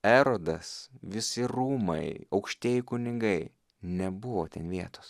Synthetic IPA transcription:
æːɾoːd̪ɐsʋʲɪsʲɪɾuːmɐ̰ɪɐʊkʃʲt̪ʲiɛjɪkʊnʲɪŋɡɐɪ | nʲɛbʊʋoːt̪ʲɛnʋʲiɛt̪oːs

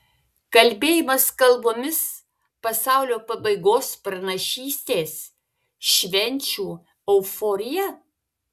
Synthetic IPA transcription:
kɐlʲbʲeːjɪmɐskɐlˠboːmʲɪs | pɐsɑˑʊlʲoːpɐbɐɪɡoːspɾɐnɐʃʲiːsʲt̪ʲeːs | ʃʲʋʲɛnʲˑt͡ʃʲuː | ɛʊfoːɾʲɪjɛ

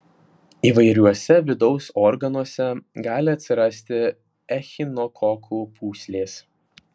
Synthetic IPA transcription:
iːʋɐɪɾʲuɔsʲɛʋʲɪd̪ɒʊsɔɾɡɐnuɔsʲɛɡɑːlʲɪɐt̪ʲsʲɪɾɐsʲt̪ʲɪ | ɛxʲɪnɔkʰɔkʰupʰuːsʲlʲeːs

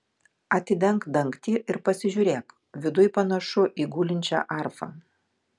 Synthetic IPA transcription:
ɐt̪ʲɪd̪ʲɛŋkd̪ɐŋkt̪ʲiːʔɪɾpɐsʲɪʒʲuːɾʲeːk | ʋʲɪd̪ʊjpɐnɐʃʊʔiːɡuːlʲɪnʲt͡ʃʲæ̰ʔɐˑɾfɐ̰ː

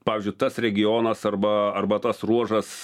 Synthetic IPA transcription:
pɑːʋʲɪzʲd͡ʒʲʊɪt̪ɐsɾʲɛɡʲɪjoːnɐsɐrbɐɐrbɐt̪ɐsruɔʒɐs

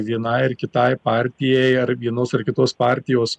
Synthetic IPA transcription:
ʋʲiɛnɐɪɪrkʲɪt̪ɐɪpɑːɾʲt̪ʲɪjɛɪɐɾʋʲiɛnoːsɐrkʲɪt̪oːspɑːɾʲt̪ʲɪjoːs

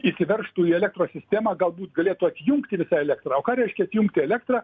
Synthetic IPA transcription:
iːsʲɪʋʲɛrʃt̪uːiːɛlʲɛk̚t̪roːsʲɪsʲt̪ʲæːmɑːɡɐlˠbuːt̪ɡɐlʲeːt̪ʊɐt̪ʲjʊŋkt̪ʲɪʋʲɪsɑːɛlʲæk̚t̪rɑːoːkɑːɾʲɛɪʃʲkʲɛɐt̪jʊŋkt̪ʲɪɛlʲækt̪rɑː

